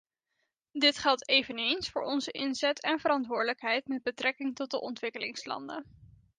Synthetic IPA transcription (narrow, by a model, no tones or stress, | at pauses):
dɪtχɛlˠtejvənejnsfʊːɹɔnzəʔɪnzɛtʰɛnvəɾɑntʋʊːɹdələkɦɛjtmɛd̚bətrɛkɪŋtɔt̚dəʔɔntʋɪkəlɪŋslɑ̰ndə̰